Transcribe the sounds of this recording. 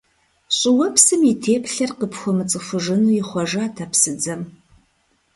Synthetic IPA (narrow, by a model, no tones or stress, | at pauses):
ɕʼɪwɐpʰsɨmitʰeːpʰɬɐrqəpxʷɔmɨt͡sʼɨfʷʊʒɨnujɪχʷɔʒaːtʰapsɨd͡zɐm